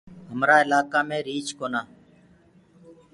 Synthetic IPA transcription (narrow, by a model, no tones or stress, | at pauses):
ɦəmɾaːɪlaːkaːmẽːɾiːt͡ʃkoːnaː